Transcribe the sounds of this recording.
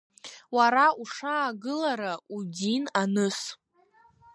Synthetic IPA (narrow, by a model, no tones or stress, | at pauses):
waɾauʂaːɡɨlaɾaudinanɨs